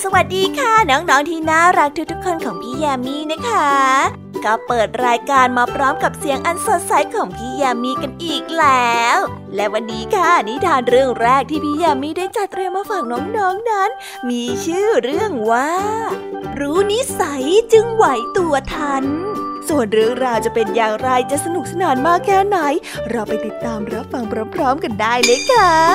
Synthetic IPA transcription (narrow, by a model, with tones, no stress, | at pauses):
sa˧wa˨˩t̪̚diː˧kʰa˥˩nɔː˦˥ŋnɔː˦˥ŋt̪ʰiː˧˥˩naː˥˩wɾaː˦˥k̚t̪ʰu˦˥t̪u˦˥kʰːo˧nkʰɔː˩˦ŋpʰiː˧˥˩jaː˧miː˧˥˩na˦˥kʰa˦˥ | kɔː˥˩pɤː˨˩t̪̚ɾaː˧jkaː˧nmaː˧pʰɾɔː˦˥mka˨˩p̚si˨˩˦əŋʔa˧nso˨˩t̪̚sa˨˦jkʰɔː˨˩˦ŋpʰiː˦˥˩jaː˧miː˧ka˧nʔiː˨˩k̚lɛː˦wlɛ˦˥wa˧nːiː˦˥kʰa˥˩ni˦˥t̪ʰaː˧nɾɯ˥˩əŋɾɛː˥˩k̚t̪ʰiː˥˩pʰiː˥˩jaː˧miː˧˥˩daː˥˩jt͡ɕa˨˩t̪ɾi˧əmaː˧faː˨˩k̚nɔː˦˥ŋnɔː˦˥ŋna˦˥n | miː˧t͡ɕʰɯː˥˩ɾɯ˥˩əŋwaː˥˩ɾuː˦˥ni˦˥sa˩˦jt͡ɕɯ˧ŋwa˨˩˦jt̪u˧ɐt̪ʰa˧˥˩nsu˨˩ənɾɯ˥˩əŋɾaː˧wt͡ɕa˨˩pe˧njaː˨˩ŋɾa˧jt͡ɕa˨˩sa˧nu˨˩k̚sa˧naː˨˩˦nmaː˥˩kʰːɛː˥˩na˨˩˦j | ɾɔː˧wpa˧jt̪i˨˩t̪ːaː˧mɾa˦˥p̚fa˧ŋpʰɾɔː˧˦˥mpʰɾɔː˦˥mka˧ndaː˥˩jlɤː˦˥jkʰaː˧˥˩